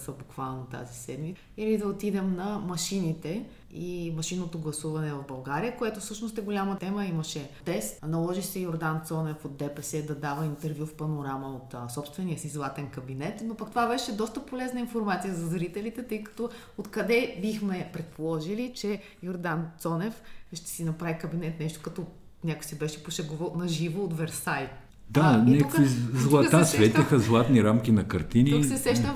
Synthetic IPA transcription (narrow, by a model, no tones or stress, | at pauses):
səbukvalˠnot̪a̰zisɛd̪mit̪ | ilid̪ɐot̪id̪ɛmnɐmɐʃinit̪ɛ | imɐʃinot̪oɡlˠɐsuvɐnɛvɐvbɐlˠɡaɾijəkoɛt̪ofsɤʃnost̪ɛɡolʲamət̪ɛməiməʃɛt̪ɛst̪nɐlˠɔʒiʃsɛjoɾd̪ant̪sɔnɛfod̪ːɛpɛsɛd̪ɐd̪avəint̪ɛɾvjufpɐnoɾaməot̪sɔpst̪vɛnijəsizlˠat̪ɛnkɐbinɛt̪nopɐkt̪ovabɛʃɛd̪ɔst̪əpolɛznəinfoɾmat̪sijəzɐzɾit̪ɛlit̪ɛt̪ɤjkɐ̥t̪ɔ | ot̪kɐd̪ɛbixmɛpɾɛt̪̚polˠɔʒilit͡ʃɛ | joɾd̪ant̪sɔnɛfʃt̪ɛ̥sinɐpɾavikɐbinɛt̪nɛʃt̪ʊ̥kɐt̪ɔ | nʲakojsibɛʃɛpoʃɛɡovəlˠnɐʒivoːt̪vɛɾsajt̪ | d̪aniɛkukizlˠat̪asvɛt̪ixəzlˠat̪niɾamkʲinɐkɐɾt̪iniuksɛsɛʃt̪ə